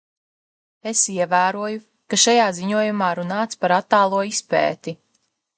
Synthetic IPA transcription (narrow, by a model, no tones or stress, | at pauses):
esiɛvæːɾuɔju | kaʃajaːziɲuɔjumaːɾunaːt̪spaɾat̪ːaːlˠuɔispɛ̰ːt̪i